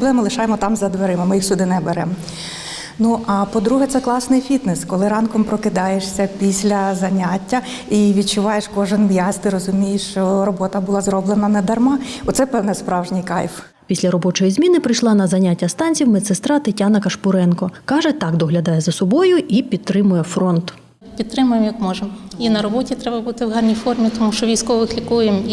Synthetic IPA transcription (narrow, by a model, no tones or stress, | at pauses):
blˠɛmɪlˠɪʃɑjemɔt̪ɑmzɐd̪ʋeɾɪmɐmɪjixsʲʊd̪ɪnɛbeɾɛmɔ | nuʔɐpɔd̪ɾuɦɛt̪sɛklˠɑsnɪjfʲit̪nɛskɔlˠɪɾɑnkɔmpɾɔkɪd̪ɑjeʃsʲɐpʲisʲlʲɐzɐnʲatʲːɐ | iʋʲid̪̚t͡ʃʊʋɑjeʃkɔʒɛnmjɑsʲt̪ɪɾɔzʊmʲijeʃt͡ʃɔɾɔbɔt̪ɐbʊlˠɑzɾɔblˠenɐnɐd̪ɐrmɑɔt̪sɛpɛwnɛspɾɑwʒnʲijkɑ̰jf | pʲisʲlʲɐɾɔbɔt͡ʃɔjizʲmʲinɪpɾɪjʃlˠɑnɐzɐnʲatʲːɐst̪ɑnʲt͡sʲiwmɛt̪sɪst̪ɾɑt̪ɪtʲɑnɐkɐʃpʊɾɛnkɔkɑʒɛt̪ɑkd̪ɔɦlʲɐd̪ɑjɛzɐsɔbɔjʊʔipʲit̪̚t̪ːɾɪmʊjɛfɾɔnt̪ | pʲid̪t̪ːɾɪmʊjemjɐkmɔʒeminɐɾɔbɔtʲit̪ɾɛbɐbut̪ɪwɦɑrnʲijfɔrmʲit̪ɔmuʃt͡ʃɔʋʲijsʲkɔʋɪxlʲikujem